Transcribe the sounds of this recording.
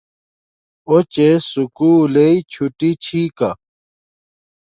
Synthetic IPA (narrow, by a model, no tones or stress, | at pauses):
ot͡ɕesukuːleit͡ɕʰuʈit͡ɕʰiːka